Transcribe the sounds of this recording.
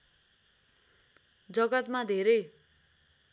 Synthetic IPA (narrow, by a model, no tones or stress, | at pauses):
d͡zʌɡʌt̪mad̪ʱeɾʌj